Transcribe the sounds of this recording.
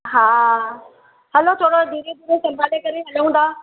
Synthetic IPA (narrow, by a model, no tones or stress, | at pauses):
ɦaː | ɦɐlot̪ʰoːɽod̪ʱiːɾed̪ʱiːɾesɐ̃mbʱaːlekɐɾeɦɐlũn̆d̪aː